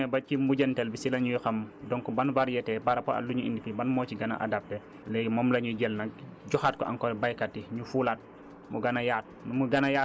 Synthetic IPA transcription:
ɛbat͡ʃimbuɟɛntɛlbisilaɲujxamdɔŋkɔbanvaɾjɛtɛbaɾapɔa̰lːuɲuḭndikibanmɔt͡ʃiɡana̰ʔa̰dap̚tɛ | lɛjmɔːmlaɲuɟɛlnaɟɔxat̚kɔ̰ʔa̰ŋkɔbajkatːiɲufulat̚ | muɡanajaːt̚numuɡanaja

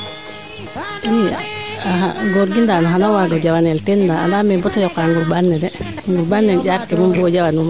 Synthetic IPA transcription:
ija̰aɦa̰ɡoɾɡindanaɦanawaɡɔd͡ʒawanɛltɛndaa̰ndamɛbɔtɔjɔkaŋɡuɾbanːɛdɛ | ŋɡuɾbanːɛɟaɾkɛmumbuɔd͡ʒawanuma

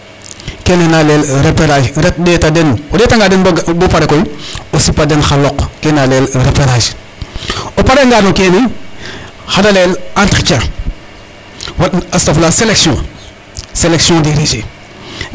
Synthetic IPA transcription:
kenenalelɾepeɾaʃɾɛt̚deːtadenodeːtaŋɡadenbbopaɾekojosipadenxalɔkkenalelɾepeɾaʃ | opaɾeŋɡanokeni | hadalelantɾit͡ʃa | watastaflaseleksiõ | seleksjɔ̃diɾid͡ʒe

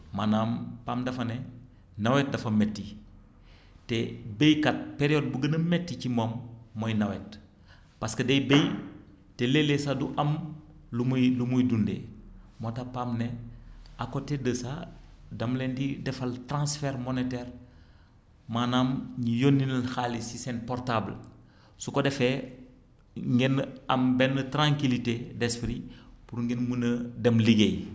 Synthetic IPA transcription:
manampaːmdɐfɐne | nawɛt̚dɐfɐmetːi | tebejkat̚peɾiod̚buɡənɐmetːicimomːojnawet | paskɐdejbej | telelesaduʔɐmlumlumujdundḛmotapaːmneakotedəsadɐmlɛndidɛfaltɾãsfɛɾmonetɛɾ | manamɲijonːinɐlxaːlisisɛnpɔɾtabl | sukodɛfɛ | ŋɡɛnɐmbɛnːətɾãŋkilitedespɾipuɾŋɡenmunədɛmliɡej

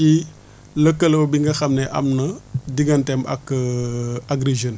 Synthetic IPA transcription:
i | ləkːəlɐwbiŋɡɐxɐmnɛʔɐ̰mnɐdiɡɐntɛmɐ̰k | aɡɾiʒən

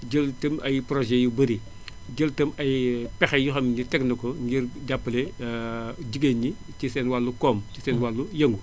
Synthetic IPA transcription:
ɟəltɐmɐjpɾɔʒɛjubɐɾi | ɟəltɐmɐjpɛxɐjuxɐmɲitɛknɐkɔɲɡiɾɟapːɐle | ɟiɡeːnɲi | cisɛːnwalːukɔːmcisɛːnwalːujɐŋɡu

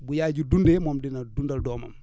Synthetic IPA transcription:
bujaːd͡ʒudundemɔmdinadundaldɔːma̰m

